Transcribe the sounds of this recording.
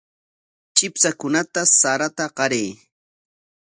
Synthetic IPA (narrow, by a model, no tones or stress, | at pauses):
t͡ʃʼɪpsakʊnat̪asaɾat̪aɢɑɾej